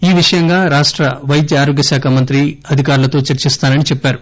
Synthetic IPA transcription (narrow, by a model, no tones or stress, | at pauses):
iːʋiʂɐjɐŋɡaːɾaːʂʈɾɐʋɐjd̪jɐaːɾoːɡjɐsaːkʰaːmɐnt̪ɾiɐd̪ʱikaːɾulɐt̪o̞ːt͡ʃɐɾt͡ʃist̪aːnɐnit͡ʃɛpːaːɾu